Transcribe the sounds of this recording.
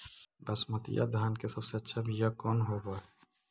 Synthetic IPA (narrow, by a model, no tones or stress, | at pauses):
bəsmət̪ḭja̰d̪ʱaːnkesəbseətːʃʰabʱijakɔːnɦoba